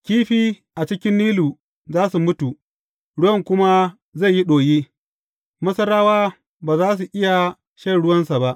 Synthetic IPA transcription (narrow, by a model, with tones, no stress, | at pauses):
kʲiː˦ɸiː˦ | ʔa˨t͡ʃɪ˦kʲɪ˦nːiː˦luː˨ | zaː˦su˨mʊ˦tu˨ | ɽʊ˦wɐ˦˨ŋkʷʊ˦ma˦ | za˦˨ji˦ɗoː˨jiː˦ | mɐ˦sɐ˦ɾaː˦waː˦ | baː˨zaː˦s̬u˨ʔɪ˦ja˨ | ʃɐ˦˨ɽʊ˦wɐ˦nsa˨ba˦ʔ